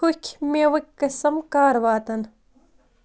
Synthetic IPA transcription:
ukʲʰmeːʋɐkʲkɐsɐmkaːɾʋaːt̪ɐn

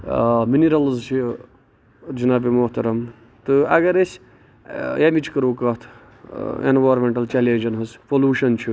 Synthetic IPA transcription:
miniɾɐlzt͡ʃʰi | d͡ʒinaːbimoht̪ɐɾɐm | t̪ɨɐ̰ɡɐɾesʲ | jamʲit͡ʃʰkəɾuːkɐt̪ʰ | ḛnʋaːɾmʲeɳʈɐlt͡ʃeleːd͡ʒɐnɦɐzpoluːʃɐnt͡ʃʰi

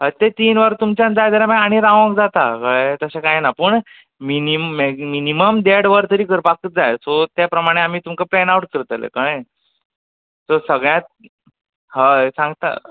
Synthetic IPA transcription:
ɦət̪et̪iːnʋəɾt̪umt͡ɕãnd͡zajd̪əɾamaaɽ̃iɾãʋə̃kd͡zat̪akəɭet̪əɕakajenapəɳ | minimeminiməmd̪eɽʋəɾt̪əɾiːkəɾpakət̪̚d͡zajsot̪japɾəmaɽ̃eam̤iːt̪umkaplɛnauʈ̚kəɾt̪əlḛkãj | sɔsəɡɭjãt̪̚ | ɦasãŋɡt̪a̰

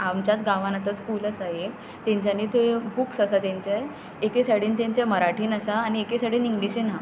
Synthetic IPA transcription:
amt͡ɕat̪ɡãʋanat̪əskuːləsaɦe | t̪ẽɲt͡ɕjaniːt̪obuksəsat̪jaɲt͡ɕaj | ekesaɽiːnt̪ãɲt͡ɕaməɾaʈʰiːnəsaːñiekesaɽiːniŋɡliɕina

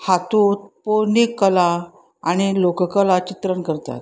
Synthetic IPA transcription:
hat̪ut̪̚poɾnikːəla | aɽ̃ilokəkəlat͡ɕit̪ɾəɳkəɾt̪a̰t̪̚

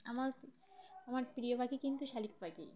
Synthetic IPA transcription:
amaɾ | amaɾpɾiobʱaɡikint̪uʃalik̚bʱaɡḭ

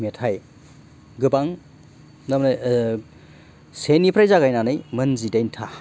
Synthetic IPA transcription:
metʰaj | ɡɯbaŋ | namnaj | senipʰɾajzaɡajnanɯjmɐnzidajntʰa

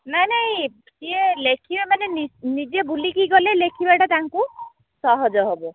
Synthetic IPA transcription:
nanaɦĩ | sielekʰibemaneninid͡ʒebulikiɡɔlelekʰibaʈat̪aŋku | sɔɦɔd͡ʒɔɦɔbɔ

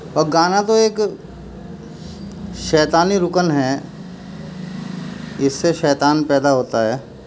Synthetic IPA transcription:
ɔːɾɡaːnat̪oeːk | ʃɛːt̪aːniɾʊkənɦɛː | ɪsːeʃɛːt̪aːnpɛːd̪aɦoːt̪aɦɛː

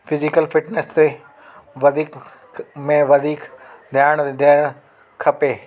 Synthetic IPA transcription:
fɪzɪkəlfɪʈnest̪e | ʋɐd̪ʱiːk | mẽʋɐd̪ʱiːkd̪ʱjaːɪɽ̃d̪ʱaːɽ̃ | kʰɐpeː

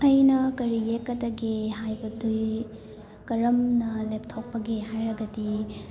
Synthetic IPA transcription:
ɐjnɐkɐɾijekːɐd̪ɐɡehajbɐduj | kɐɾɐmnɐlep̚tʰok̚pːɐɡehajɾɐɡɐdi

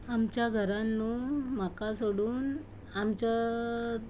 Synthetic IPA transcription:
amt͡ɕjaɡʱəɾanːumakasoɽuːn | amt͡ɕa

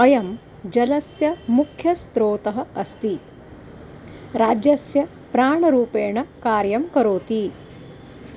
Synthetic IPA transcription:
ɐjɐm | d͡ʒɐlɐsjɐmukʰjɐst̪ɾoːt̪ɐɦɐ̆ɐst̪i | ɾaːd͡ʒjɐsjɐ | pɾaːɳɐɾuːpeːɳɐkaːɾjɐmkɐɾoːt̪i

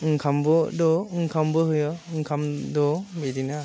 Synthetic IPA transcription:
ɯŋkʰambɔdɔɯŋkʰambɯɦɯjɔɯŋkʰamdɔbedina

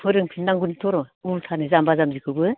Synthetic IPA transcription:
pʰɯɾɯŋpʰinːaŋɡunitʰɔɾɔultʰanɯzambazamzikʰɯɡɯ

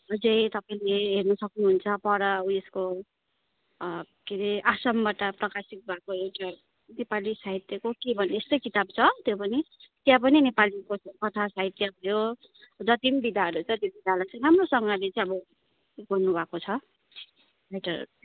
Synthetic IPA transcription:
ʌd͡zʌjt̪ʌpaĩleɦernʌsʌknuɦunt͡sʰʌpʌɾʌuesko | keɾeʔasʌmbaʈʌprʌkasik̚bʱakoewʈa | nepalisaɦit̪jʌkokebʱʌneest̪ʌjkit̪ab̚t͡sʰʌt̪jopʌni | t̪jãp̬ʌninepalikokʌt̪ʰasaɦit̪jʌbʱʌjo | d͡zʌt̪imbid̪ʱaʌɾut͡sʌ̃t̪jobid̪ʱalʌt͡sʌ̃ɾamrosʌŋɡalet͡saĩʌbʌ | bʌnnːubʱakot͡sʰʌ | ɾajʈʌ̰ɾu

